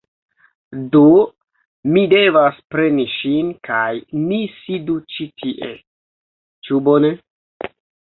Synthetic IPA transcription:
do | mide̞vaspɾe̞niʃinkʰajnisidut͡ʃitʰiʔe̞̰ | t͡ʃubone̞

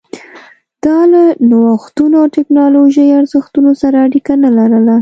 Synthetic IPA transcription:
d̪̥ɑlanawaxt̪unoawʈɪknɑloʒəjaɾzəxt̪unosaɾaːɽikanalaɾəla

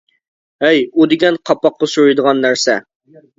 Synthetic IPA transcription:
ɛjud̪ɪɡʲɛnqʰɑpːɑqːɑsuɾujd̪əʁɑnːæɾsɛ

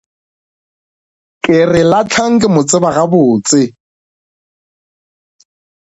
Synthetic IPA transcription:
kʼɪrɪlat͡ɬʰaŋ̩kʼɪmʊt͡sʼɪbaɣabʊːt͡sʼɪ

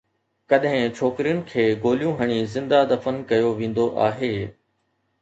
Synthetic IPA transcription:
kɐɗɦɪ̃t͡ʃʰoːkɾijʊnɪ̆kʰeːɡoːlijũɦɐɽ̃izɪ̃nd̪ad̪ɐfənkɐjoʋẽːn̆d̪oʔaːɦeː

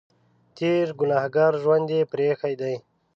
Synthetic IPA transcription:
t̪iːɾɡʊnaːhɡaːɾʒwand̪epɾeːxajd̪aj

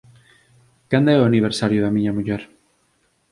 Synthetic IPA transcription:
kand̪ɛoaniβ̞eɾsaɾjʊðamiɲamuʎɛɾ

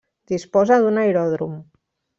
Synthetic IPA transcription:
d̪̥ispɔzaðunajɾɔðɾum

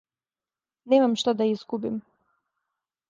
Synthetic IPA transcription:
neːmamʃt̪ad̪aizɡubim

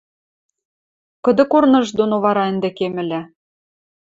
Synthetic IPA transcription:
kɤ̆d̪ɤ̆kornɤ̆ʒd̪onoβɑɾɑɘ̆nd̪ĕkemɘ̆lʲæ

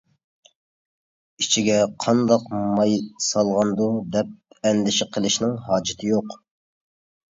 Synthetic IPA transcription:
it͡ʃʰiɡʲɛqʰɑnd̪ɑqmɑjsɑlˠʁɑnd̪ud̪ɛp̚ɛnd̪ɪʃɪqʰəlˠɪʃnɪŋɦɑːd͡ʒɪt̪ʰɪjoq

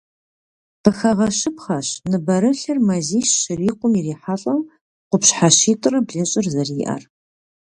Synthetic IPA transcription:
pɨxɐʁɐʃɨpχɐɕnɨbɐɾɨɬɐrmɐziːʃːɪriːqʷʊmiriːħaɬʼɐm | qʷʊpɕħaʃiːtʼɨrɐbɮɨɕʼɪrzɐriːʔɐ̰r

